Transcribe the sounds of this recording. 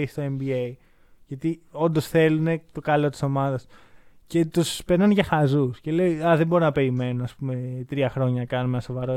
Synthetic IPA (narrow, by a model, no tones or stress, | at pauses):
ist̪oembiei | ʝɐt̪io̞nd̪osθe̞lune̞t̪o̞kɐlo̞t̪i̥so̞mɐðɐsce̞t̪uspeɾnɐnʝɐxɐzusce̞le̞iɐðembo̞ɾonɐpe̞ɾime̞nuɐspume̞t̪ɾiɐxɾo̞ɲɐnɐkɐnumenɐso̞vɐɾo